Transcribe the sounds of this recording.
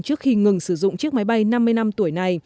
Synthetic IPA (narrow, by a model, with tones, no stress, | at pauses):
t͡ɕɨ˦˥ək̚xi˧ŋɨ˨˩ŋsɨ˧˩zʊ̰˧˨ŋ͡mt͡ɕɨ˦˥ək̚ma˨˦jɓa˧jna˧mːɨ˧əjna˧mt̪u˧˩əjna˨˩j